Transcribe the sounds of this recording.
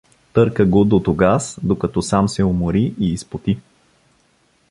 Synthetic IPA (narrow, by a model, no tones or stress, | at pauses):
t̪ɤɾkəɡod̪ot̪oɡasd̪okɐt̪ɔsamsɛʊmoɾiʔiːspot̪i